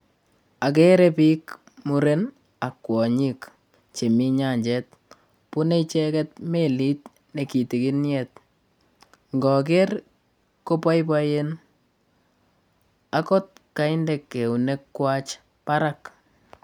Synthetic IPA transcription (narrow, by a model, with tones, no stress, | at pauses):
a˨k̬e˦ɾɛpik | mu˨ɾen | a˨kːwɔ˨ɲik | t͡ʃe˨mi˦ɲa˨ɲd͡ʒɛt̚ | pu˦ne˦it͡ʃɛkɛt̚meli˦t | ne˨ki˨ti˨ki˦njɛt̚ | ŋɡɔ˨k̬er | ko˦pa˦jp̬a˦jen | akɔ˦t̚ka˦ɪ˦ndɛ˨kːe˨u˨ne˦kːwa˦t͡ʃ | pa˦ɾak